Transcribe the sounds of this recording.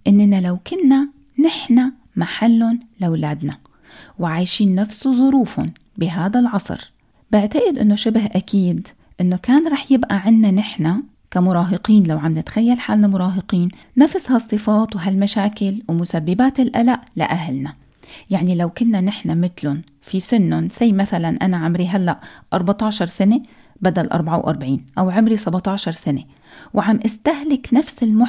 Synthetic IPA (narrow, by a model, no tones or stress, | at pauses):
ʔɪnːnalawkʊnːa | nɪħna | maħalːʊnlɪwlaːd̪na | wʕaːjʃiːnːafsuðˤʊɾuːfʊ̰n | bɪɦaːd̪alʕɑsˤɾ | bɪʕt̪aʔɪd̪ʔɪ̰nːoʃɪbɦʔakiːd̪ | ʔɪnːokaːnɾˤɑːħjɪbʔaʕɪnːanɪħna | kamʊɾˤɑːɦɪqiːnlawʕambnɪt̪xajːalħaːlnamʊɾˤɑːɦɪqiːnː | afshɑsˤːɨfɑːt̪wɦalmaʃaːkɪlwmʊsabːɪbaːt̪ɪlʔalaʔla̰ʔaɦlna | jaʕnilawkʊnːanɪħnamɪt̪lʊn | fisɪnːʊnsajmaθalanʔanaʕamɾiɦalːaʔʔɑɾˤbɑt̪ˤɑːʃɑɾˤsane | bad̪alʔɑ̰ɾˤbʕawʔɑ̰ɾˤbʕiːnʔawʕɪmɾisɑbɑt̪ˤɑːʃɑɾˤsane | wʕamʔɪst̪aɦlɪknafsɪlmʊ